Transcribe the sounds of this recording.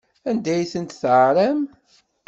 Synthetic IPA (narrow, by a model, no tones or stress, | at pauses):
ænd̪æjθənt̪θʕɾæm